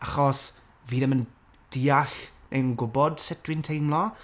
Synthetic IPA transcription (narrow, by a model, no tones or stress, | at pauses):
aχɔs | viːðəmən | d̥iːaɬnʔejənɡʊbɔd̥sɛtwɪntʰejmlˠɔ